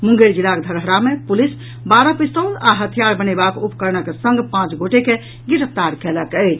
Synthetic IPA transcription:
mũŋɡeld͡ʒilːakd̪ʱəɾɦɾamepulis | baɾəpist̪əlaɦət̪ʰijaɾbənebakupkəɾnəkesə̃ŋɡpãt͡ʃɡoʈeke | ɡiɾəp̚ʰt̪aɾkeləkət͡ʃʰ

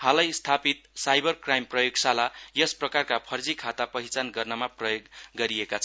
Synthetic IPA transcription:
halʌjst̪ʰapit̪sajbʌrkrajmprʌjoɡsalajʌsprʌkarkapʰʌrd͡zikʰat̪apʌɦit͡sanɡʌrnʌmaprʌjoɡːʌɾiekat͡sʰ

